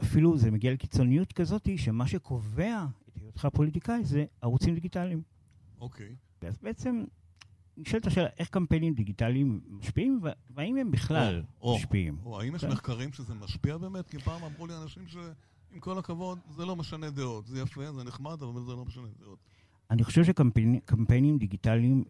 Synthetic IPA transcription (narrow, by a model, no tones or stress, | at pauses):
afiluzemeɡialekit͡so̞nijut̪kazo̞t̪iʃemaʃe̞kʰo̞ve̞aet̪hejod̪χapo̞lit̪ikaize̞aʁut͡simd̪iɡitalim | okʰej | veazbeet͡se̞m | niʃalt̪aʃela̰ʔe̞χkampenimd̪iɡit̪aliimːaʃpiimvveaimhembiχlaloʃpiḭmoa̰imjɛʃmeχkaʁimʃezemaʃpiabeːmet̪̚kipaːmamʁulianaʃimʃe | imko̞lakavo̞d̪zelo̞meʃaned̪eot̪zejafezeneχmad̪avavlzelo̞meʃaned̪eot̪ | aniχo̞ʃevʃekampkampenimd̪iɡit̪aliim